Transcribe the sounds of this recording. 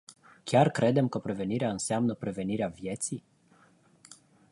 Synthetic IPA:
kʲarkɾe̞d̪e̞mkəpɾe̞ve̞niɾeaɨnseamnəpɾe̞ve̞niɾeavje̞t̪si

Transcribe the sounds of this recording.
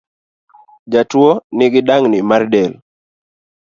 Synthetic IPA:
d͡ʒatwonɪɡɪdaŋnɪmardɛl

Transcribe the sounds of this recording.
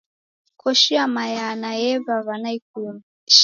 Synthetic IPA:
kɔʃiamajanaɛβaβanaik̚un

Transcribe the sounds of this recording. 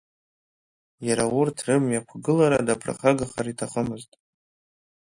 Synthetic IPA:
jaɾawʊrtʰrɨmjakʷʰɡɨlaɾadapʰra̰χaɡaχaritʰaχəmɨztʼ

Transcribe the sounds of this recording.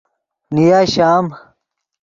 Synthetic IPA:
nijaːɕaːm

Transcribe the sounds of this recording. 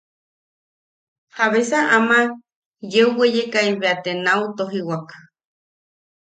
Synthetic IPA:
haβesaʔama | jeuwejekaiβeat̪enaut̪oɦiwakḁ

